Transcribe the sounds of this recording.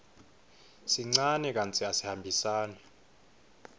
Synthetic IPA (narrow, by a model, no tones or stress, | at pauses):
siŋ͡ǀanɛk̬ant͡sʰʼiasihambʱisaːnɛ